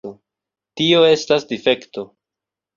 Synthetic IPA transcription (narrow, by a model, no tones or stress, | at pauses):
o | tio̞e̞stasdife̞kto̞